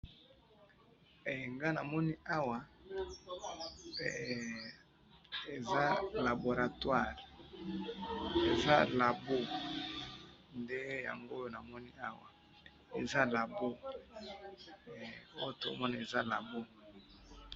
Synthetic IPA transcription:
ŋɡa˦na˨mɔ˦ni˦a˦wa˨ | e˨za˦la˨bo˨ʁa˨twa˦˨ʁ | e˨za˦la˨bo˦ | nde˦ja̰˨ŋɡo˦jo˦na˨mɔ˦ni˦a˦wa̰˨ | ḛ˨za˦la˨bo˦˨ | o˦o˦to̰˦mɔ˦ni˨e˨za˦la˨bo˦

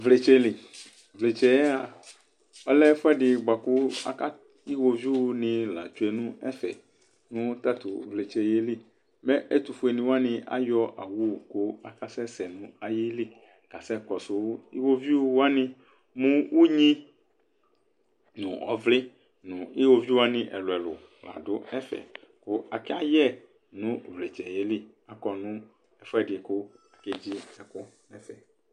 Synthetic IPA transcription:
vle˨t͡ʃe˦li˨ | vle˨t͡ʃɛ˦ja˨ | ɔ˦lɛ˦fɛ˦ɖɪ˨ɡ͡ba˨ku˦a̰˨˦ka˦ | i˦wo˨vi˦wo˨nĩ˨la̰˨t͡ʃu˦e˨nũ˦ɛ˦fɛ̰˨ | nũ˦t̪a˦t̪ṵ˨vle˨t͡ʃe˨je˦li˦ | mɛ˦ʔe˦t̪u˨fu˨˦e˨nĩ˨wo˦a˦nɪ̃˨a̰˦jɔ˦ʔa̰˨wu˦˨ko˦a˨ka˦sɛ˦sɛ˨nũ˦a˨ji˦li˦ | ka˨sɛ˦kɔ˨so˨wo˦i˦wo˦vi˦wo˦wo˦a˦nɪ̃˦ | mũ˦wʔu˦ɲĩ˦ | nṵ̃˨ɔ̰˨˦vlɪ˦ | nʊ̃˨i˦wo˦vi˦wa˦nɪ̃˦ʔɛ̰˨lʊ˨ɛ˨lʊ̰˨ | la̰˨dʊ˦ɛ˦fɛ̰˨ | kʊ˦a˨kɛ˦a˨jɛ˦˨ | nũ˨˦vle˨t͡ʃɛ˨je˦li˦ | a˨kɔ˨nũ˦ | ɛ˨fɛ˦dɪ˨kʊ˦a˨ke˦d͡ʑi˦ɛ˨kʊ˦nɛ˦fɛ˨

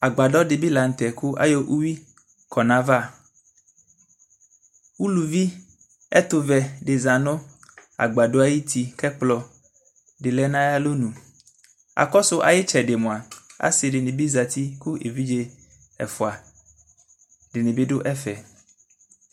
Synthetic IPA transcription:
a˨ɡ͡ba˨dɔ˦ɖɪ˨bi˦la˨n̩˨t̪ɛ˨ku˦ʔa̰˦jo˦ʔu˦wi˦ | kʰɔ˨nã˦va˦ | wu˦lu˨vi˦ | ɛ˦t̪ʊ˨vɛ˨ɖɪ˨za˨nõ˦ | a̰˨ɡ͡ba˨ɖo˦a˦ji˦t̪i˨kɛ˦k͡plɔ˨ | ɖɪ˨lɛ˦nã˦ja˦lo˦nũ˨ | a̰˨kɔ˦sʊ˦ʔa̰˨jɪ˦t͡ʃɛ˨ɖe˨mõ˨a˨a̰˦sɪ˨ɖɪ˨nɪ̃˨bi˦za˨t̪i˦ku˦ʔḛ˨vi˦d͡ʒe˦ | ɛ̰˨fɔ˨a˨ | ɖɪ˨nɪ̃˨bɪ˦ɖʊ˦ʔɛ˦fɛ˨

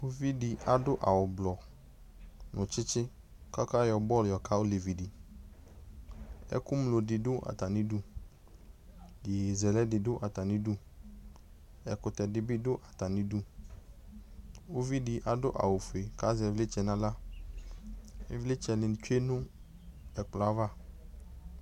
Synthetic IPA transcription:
o˦vi˦di˨a˨dʊ˦ʔa̰˨wʊ˨blɔ˨ | nʊ̃˨t͡ʃɪ˦t͡ʃɪ˦ | ka˦ka˦jɔ˨bɔ˦˨ljɔ˨ka˦wo˦le˨vi˨di˨ | ɛ̰˦kʊ˦mlo˨dɪ˨dʊ˦ʔa̰˨t̪a˨nĩ˦du˦ | je˨zɛ˨lɛ˦dɪ˨dʊ˦ʔa˨t̪a˨nĩ˦du˦ | ɛ˨kʊ˨t̪ɛ˨dɪ˨bɪ˦dʊ˦ʔa˨t̪a˨nĩ˦du˦ | o˦vi˦di˨ʔa˨dʊ̰˦ʔa̰˨wo˨fe˨ka˦zɛ˨vle˦t͡ʃɛ˨nã˦la˦ | ɛ˦vle˦t͡ʃɛ˨lɪ˨n˨t͡ʃu˦e˦nʊ̃˦ | ɛ˨k͡pla˦va˦

